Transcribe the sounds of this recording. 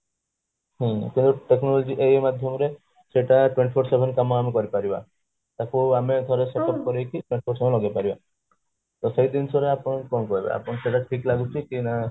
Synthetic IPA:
ɦĩkint̪uʈeknɔlod͡ʒiʔejmad̪ʱjɔmɔɾe | seʈaʈweɳʈipʰoɾsebʱenkamɔamekɔɾipaɾiba̰ | t̪akuamed̪ʱɔɾeseʈɔp̚kɔɾekiʈweɳʈipʰoɾsebʱenlɔɡapaɾiba | t̪ɔsejd̪insɔɾeapɔɽkɔnkɔɦibḛa̰pɔnɔseʈaʈʰiklaɡut͡ʃʰikina

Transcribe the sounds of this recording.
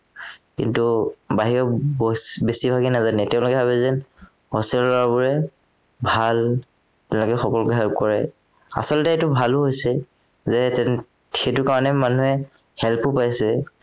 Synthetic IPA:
kḭntubaɦiɹɔ | besibʱaɡinazanɛtɛʊ̃lʊkɛbaβɛzɛn | hɔstɛllɔaɹbɔɹɛ | bʱal | tɛ̃lɔkɛxɔkɔlkɛɦɛlp̚kɔɹɛ | a̰sɔltɛːtʊbʱalʊɦojsɛ | zɛ | txetʊkaɹɔnɛmanuɦɛ | hɛlpʊpajsɛ

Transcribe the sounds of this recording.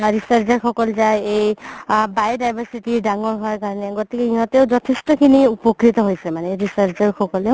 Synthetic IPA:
ɾisəɾt͡ʃaɹkʰɔkɔlzajejbajdajbʱəɾsiʈiɹɖaŋɔɹɦɔaɹkaɹɔneɡɔt̪ikeĩɦɔ̃t̪ewd͡ʒɔt̪ʰesʈɔkʰiniupɔkɾit̪ɔɦojsɛmaneɾisaɾt͡ʃɔɹkʰɔkɔle

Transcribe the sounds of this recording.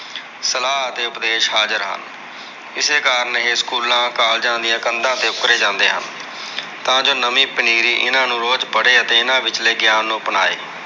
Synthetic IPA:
səlaːɦət̪eːʊpd̪eːʃɦaːd͡ʒəɾɦə̰n | ɪseːkaːɾənɦeːskuːlãːkaːld͡ʒãːnd̪ɪjãːkənd̪ãːt̪eːʊkɾeːd͡ʒãːnd̪eːɦə̰n | t̪ãːd͡ʒoːnəmĩːpəniːɾiːʔɪnãːnũːɾoːd͡ʒpəɽeːət̪eːɪnãːʋɪt͡ʃleːɡjaːnːũːpənaːḛː

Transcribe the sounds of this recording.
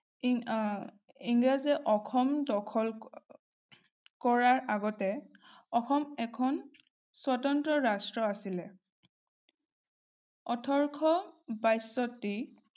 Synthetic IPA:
iŋɡɹazɛʔɔkʰɔmdɔkʰɔl | kɔɹaɹʔaɡɔtɛ | ɔxɔmɛkʰɔn | swatɔntɹɔɹastɹɔasilɛ | ɔtʰɔɹkʰɔbajsɔtːi

